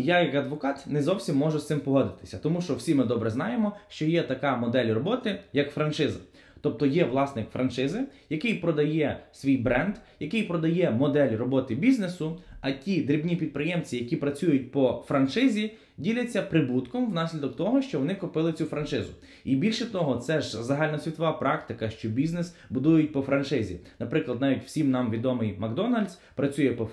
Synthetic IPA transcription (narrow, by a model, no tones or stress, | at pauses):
jajɐkɐd̪ʋɔkɑt̪nɛzɔwsʲimːɔʒʊst̪mpɔɦɔd̪ɪt̪ɪ̥sʲɐt̪ɔmuʃt͡ʃɔwsʲimɪd̪ɔbɾɛznɑjemɔʃt͡ʃɔjɛt̪ɐkɑmɔd̪ɛlʲrɔbɔt̪ɪjɐkfɾɐnt͡ʃɪzɪ̰ | t̪ɔp̚t̪ɔjɛʋlˠɑsnɪkfɾɐnt͡ʃɪzɪjɐkɪjpɾɔd̪ɐjɛsʲʋʲijbɾɛnd̪jɐkɪjpɾɔd̪ɐjɛmɔd̪ɛlʲrɔbɔt̪ɪbʲiznesʊɐtʲid̪ɾʲibnʲipʲid̪̚pɾɪjɛmt͡sʲijɐkʲipɾɐt͡sʲujʊt̚ʲpɔfɾɐnt͡ʃɪzʲi | dʲilʲɐt͡sʲːɐpɾɪbut̪kɔmʋwnɑsʲlʲid̪ɔkt̪ɔɦɔʃt͡ʃɔʋɔnɪkʊpɪlˠɪt͡sʲufɾɐnt͡ʃɪzʊ | ibʲilʲʃɛt̪ɔɦɔt̪sɛʒzɐɦɑlʲnɐsʲʋʲit̪ɔʋɑpɾɑkt̪ɪkɐʃt͡ʃɔbʲiznes | bʊd̪ujʊt̚ʲpɔfɾɐnt͡ʃɪzʲḭnɐpɾɪklˠɐd̪nɑʋʲitʲw̥sʲimnɑmʋʲid̪ɔmɪjmɐɡd̪ɔnɐlʲd̪ʲs | pɾɐt͡sʲujɛpɔ